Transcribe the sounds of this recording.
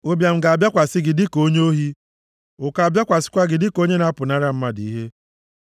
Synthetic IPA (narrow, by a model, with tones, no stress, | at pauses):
o˦bja˨m̩˦ɡa˨a˨bja˦kʷa˨sɪ˦ɡɪ˨dɪ˦ko˦ɲe˦o˦ɦi˦ | ʊ˨ka˨bja˦kʷa˨sɪ̥˦kʷa˦ɡɪ˨dɪ˦ko˦ɲe˦na˦pʊ˨na˦ɾa˦m̩˦ma˦di˨i˦ɦe˦